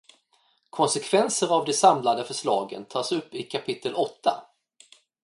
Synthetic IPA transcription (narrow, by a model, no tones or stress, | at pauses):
kʰɔnsɛkʰvɛnsəɾavd̪ɛsamlad̪əfœʂlɑ̰ːɡə̰nt̪ʰɑːsɵpːɪkʰapʰɪt̪ːəlʔɔt̪ːa̰